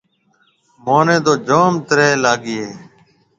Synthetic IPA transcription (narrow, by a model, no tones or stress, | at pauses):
moːnẽːd̪oːd͡ʒoːmt̪əɾeːlaːɡɪeː